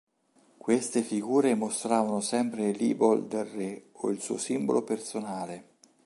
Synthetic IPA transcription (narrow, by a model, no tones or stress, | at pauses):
kwest̪efiɡuːɾemost̪ɾaːvanosɛmpɾelḭːbold̪elrːeoilsṵːosimbo̰lopersonaːle